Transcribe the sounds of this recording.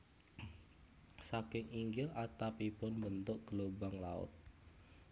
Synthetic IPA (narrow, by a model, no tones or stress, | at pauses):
sakɪŋiŋɡɪlat̪apipʊnbənt̪ʊʔ̚ɡ̥əlobaŋla̰ʊ̰t̪̚